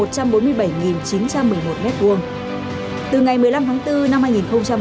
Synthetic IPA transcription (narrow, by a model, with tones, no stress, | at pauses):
o˨˩t̚t͡ɕa˧mɓo˨˦nmɨ˧əjɓə˧˩jŋi˨˩nt͡ɕi˨˦nt͡ɕa˧mːɨ˨˩əjmo˨˩t̚mɛ˦˥t̚ku˧˩əŋ | t̪ɨ˨˩ŋa˨˩jmɨ˨˩əjla˧mt̪ʰaː˨˦ŋt̪ɨ˧na˧mhaː˧jŋi˨˩nxə˧wŋ͡mt͡ɕa˧m